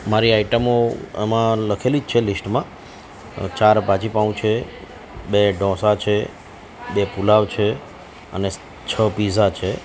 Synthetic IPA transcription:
maɾiaiʈəmoḛmãləkʰelid͡ʒt͡ʃʰelisʈmã | t͡ʃaɾpãt͡ʃipaũt͡ʃʰe | beɖɔ̃sat͡ʃʰe | bepulaʋt͡ʃʰe | ə̰ne | t͡ʃʰəpizat͡ʃʰe

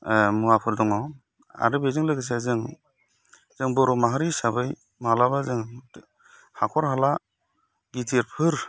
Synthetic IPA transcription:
muapʰɯldɔŋɔ | a̰ɾɯbezɯŋlɯɡɯs̬azɯŋ | z̥ɯŋbɔɾɔmaɦaɾisabɯj | maalaβazɯŋ | hakʰɔɾɦala | ɡitʰiɾpʰɯɾ

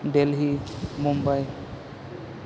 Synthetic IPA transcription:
belɦimumbaj

